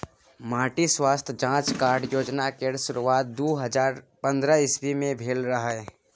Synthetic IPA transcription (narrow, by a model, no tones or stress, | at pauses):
maːʈiswaːst̪ʰd͡ʒãːt͡ʃkaːɾɖjoːd͡ʒnakeɽʃʊɾuʋaːt̪̚d̪uːɦəd͡ʒaːɾ | pə̃nd̪ɾəɪsbimẽbʱeːlɾəɦaɦɛː